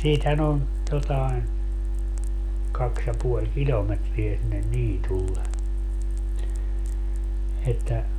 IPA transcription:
siːthæn on jotɑen kɑks jɑ puolʲ kilʲometriæ sinːen niːtulːe etːæ

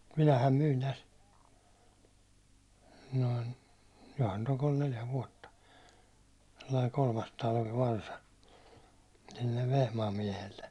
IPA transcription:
minæhæm myːn tæs noin johɑn nyt oŋ kol neljæ ʋuɒtːɑ selːɑi kolmɑstɑlʋi ʋɑrsɑ silːeʋ ʋehmɑːm miɛhelːe

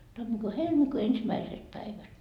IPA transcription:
tɑmːikuː helmikuː ensimæiset pæiʋæt

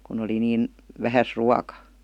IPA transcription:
kun oli niːn ʋæhæs ruɑkɑ

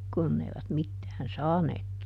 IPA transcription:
kunː eiʋæt mitːæːn sɑːneːk

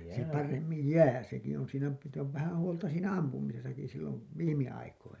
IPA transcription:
se pɑremːij jæː seki on siːnæ sit oʋ ʋæhæn̞ huoltɑ siːnæ ɑmpumisesɑki silːoʋ ʋiːmiɑikoinɑ

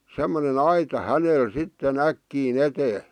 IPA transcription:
semːonen ɑitɑ hænel sitːen ækːiːn eteː

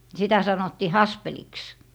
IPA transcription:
sitæ sɑnotːiː hɑspeliks

